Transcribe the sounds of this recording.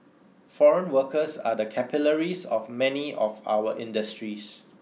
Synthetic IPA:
fɔɹə̃nwəkəsa̰dəkʰɛpiləɹisɔfmɛniʔɔfa̰wəʔɪ̃ndəstɹis

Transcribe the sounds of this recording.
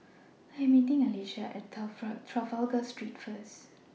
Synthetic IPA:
aɛ̃mitɪ̃ŋaleʃaʔɛttʰɹavalɡastɹitfəs

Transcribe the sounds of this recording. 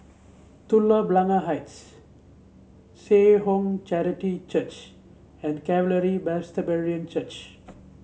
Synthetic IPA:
t̪ulːəblaŋaɦajts | seːɦõŋt͡ʃɛɾiʈit͡ʃət͡ʃ | ɛ̃ɳɖkɛʋələɾibɛst̪əbeɾiə̃nt͡ʃət͡ʃ

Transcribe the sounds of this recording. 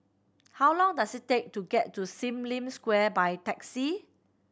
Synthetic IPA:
hawlɔ̃ŋdasittːek̚tuɡɛtːusĩmlĩmskwɛbajtɛksi

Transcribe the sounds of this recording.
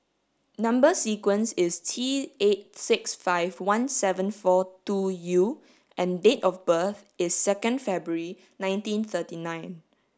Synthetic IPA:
nãmbəsikwə̃nsɪstʰiet̚sɪksfaɪvwãnsɛvə̃nfɔtuju | ʔɛ̃ndetɔfbəθɪsːɛkə̃ndfɛbɹuɹi | nãɪ̃ntĩnθətinãɪ̃n

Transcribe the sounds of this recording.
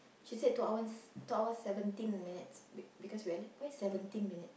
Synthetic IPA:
ʃised̚tuawə̃nstuawəsɛvə̃ntĩnminitsbbikɔswiəlãsɛvə̃ntĩnminit̚

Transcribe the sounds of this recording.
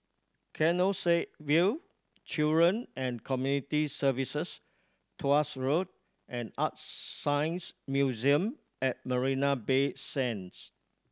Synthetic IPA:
kʰɛnoseʔ̚wil | t͡ʃildɹə̃nɛ̃nkʰɔmjunitisəvisəs | tʰoasɹod̚ | ʔɛ̃nat̚sãjnsmjuziə̃m | ɛt̚məɹinabesɛ̃ns

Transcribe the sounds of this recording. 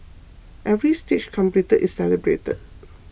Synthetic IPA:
ʔɛvɹistet͡ʃkʰɔ̃mplitəʔɪsːɛləbɹḛtə̰d̚

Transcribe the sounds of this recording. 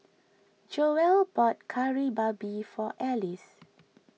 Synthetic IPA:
d͡ʒoɛlbɔt̚kʰaɹibabifɔʔɛlis

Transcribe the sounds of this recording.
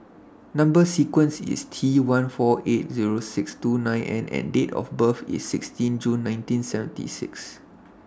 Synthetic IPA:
nãmbəsikwə̃nsḭstʰiwãnfɔʔet̚ziɹosɪkstunãj̃nʔɛ̰̃nɛ̰̃ndetɔ̰fbəfḭsːɪkstĩnd͡ʒũnːãɪj̃ntĩnsɛvə̃ntḭsɪ̰ks

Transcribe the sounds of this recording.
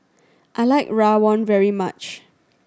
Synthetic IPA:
ʔaɪlaɪkɹawɔ̃nvɛɹimat͡ʃ

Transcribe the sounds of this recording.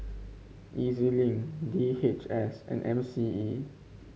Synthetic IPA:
ʔizilĩŋdihet͡ʃɛsɛ̰̃nʔɛ̃msii

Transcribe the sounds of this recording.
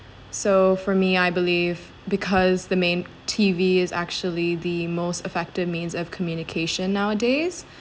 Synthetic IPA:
soʊfə˞miaɪbɨliv̥ | bɨkʰʌzðɨmẽɪ̃n | tʰiviɪzæ̰k̚t͡ʃul̩ˠiðɨmoʊstɨfɛk̚tɨvmĩnzʌv̥kʰmjʉnɨkʰeɪʃɨ̃nːaʊədeɪz̥

